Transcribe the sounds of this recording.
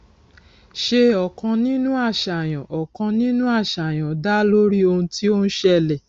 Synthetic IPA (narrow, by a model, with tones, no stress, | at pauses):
ʃe˧ɔ˨kã˧nĩ˦nũ˦a˦˨ʃa˨j̃ã˨ʔɔ˨kã˧nĩ˦nũ˦a˦˨ʃa˨j̃ã˨da˦lo˦ɾi˦o˧ũ˧ti˦o˦ñ̩˦ʃɛ˦˨lɛ˨